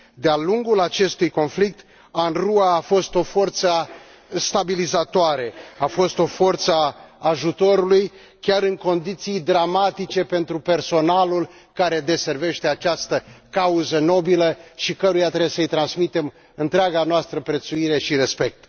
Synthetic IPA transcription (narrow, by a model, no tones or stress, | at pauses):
d̪ealuŋɡulat͡ʃe̞st̪ujko̞nflik̚t̪ | anruaːfo̞st̪o̞fo̞rt̪sə | st̪abilizat̪oaɾe̞afo̞st̪o̞fo̞rt̪saːʒut̪o̞ɾuluj | kʲaɾɨŋko̞nd̪it̪sijd̪ɾamat̪it͡ʃe̞pe̞nt̪ɾupe̞rso̞nalul | kaɾe̞d̪e̞se̞rve̞ʃt̪e̞at͡ʃast̪əkauzəno̞biləʃikəɾujat̪ɾebesəɨjt̪ɾansmit̪e̞m | ɨnt̪ɾeaɡanoast̪ɾəpɾe̞t̪suiɾe̞ʃiɾe̞spe̞k̚t̪